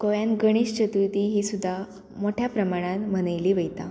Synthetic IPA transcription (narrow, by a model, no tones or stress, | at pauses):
koʋjãnɡəɽ̃iːɕt͡ɕət̪ut̪iɦiːsud̪ʱːa | moʈʰjapɾəmaɽ̃ãnm̤ənəjliːʋəjt̪a